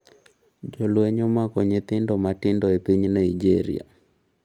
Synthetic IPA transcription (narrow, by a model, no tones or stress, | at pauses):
d͡ʒolweɲomakɔɲet̪ɪndɔmatɪndɔepiɲnaid͡ʒeɾḭa̰